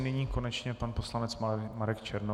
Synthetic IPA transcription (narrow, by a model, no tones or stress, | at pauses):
nɛɲiːko̞nɛt͡ʃɲɛpanpo̞slanɛt͡smaɾɛkt͡ʃɛɾno